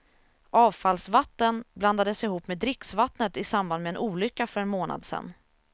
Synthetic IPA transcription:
ʔɑːvfalsvat̪ːənbland̪ad̪əsɪhuːpːmeːd̪ɾɪksvat̪nət̪ɪsamband̪mɛɛnʔuːlʏkːafœɾɛnmoːna̰d̪sɛ̰nː

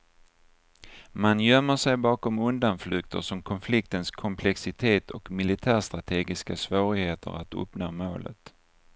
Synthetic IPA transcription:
manjœmːəʂɛjbɑːkɔmɵnd̪anflɵːk̚t̪ʰə̰ʂɔmkʰɔnflɪk̚t̪ənskʰɔmpʰlɛksɪt̪ʰeːt̪ʰɔkmɪlɪt̪ʰæːʂt̪ɾat̪ʰeːɡɪskasvoːɾɪɡheːt̪ʰə̰ɾat̪ɵ̰pnoːmoːlə̰t̪

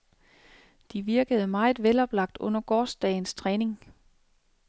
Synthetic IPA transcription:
d̥iʋiɐɡ̥əð̞̩ˠmɑ̈ɪð̩ˠʋelɒ̽b̥lɑ̈ɡ̥̚d̥ɔ̽n̰ɐɡ̥ɒːsd̥ɛɪn̩st͡sʰʁɛːne̝ŋ

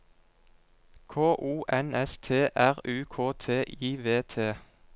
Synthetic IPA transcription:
kʰoːʔuːʔɛnɛst̪ʰeːʔæʁʉːkʰoːt̪ʰeːʔiːʋeːt̪ʰeː

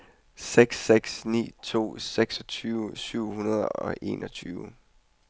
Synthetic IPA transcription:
seɡ̥seɡ̥snḭːt͡sʰo̝̰ːseɡ̥sɒt͡sʰyːʊsyʊ̰hunɐð̞ˠɒ̽ʔe̝̰ːnʔɒ̽t͡sʰyːʊ

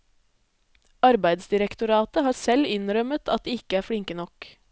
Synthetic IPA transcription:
ɑɾbæɪd̪sd̪ɪɾəkt̪ʊɾɑːt̪əhɑːɾsɛlɪnɾœmət̪ʰɑt̪̚d̪eːɪkəæːɾfɽɪŋkənɔk

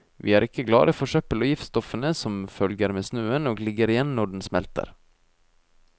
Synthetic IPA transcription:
ʋḭːæːɾɪkːəɡlɑ̰ːɾəfɔʂœpəlɔjɪft̪st̪ɔfənəsɔmfœlɡəɾmeːsnʉːənoːɡlɪɡəɾɪjɛnnɔɖɳ̩smɛlt̪ə̰ɾ

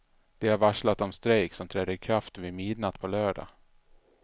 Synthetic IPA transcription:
d̪̥ɛaɾvaʂlat̪ɔmst̪ɾɛjksɔmt̪ʰɾɛːd̪əɾkʰɾaft̪vɪmɪd̪nat̪pʰɔlœːɖa̰

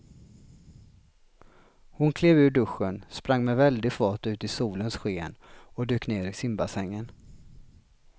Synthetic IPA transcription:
hʊnkʰleːvʉ̟ːɖɵɧːənspɾaŋːmɛvɛld̪ɪfɑːʈʉ̟ːt̪ɪsuːlənsɧeːnɔd̪øːkneːɾɪsɪmbasɛŋːən

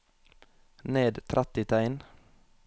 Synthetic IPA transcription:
neːd̪t̪ʰɾʔæt̪ɪt̪ʰæɪn

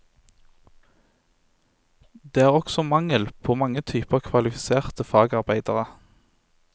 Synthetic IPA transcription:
d̪eːæːʁɔksɔmɑŋəlpʰoːmɑŋət̪ʰyːpəkʰʋɑlɪfɪseːʁt̪əfɑːɡɑʁbæɪd̪əʁə

